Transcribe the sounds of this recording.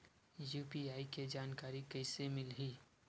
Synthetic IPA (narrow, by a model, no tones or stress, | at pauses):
juːpiaːiked͡ʒaːnkaːɾikɐɪsemɪlɦiː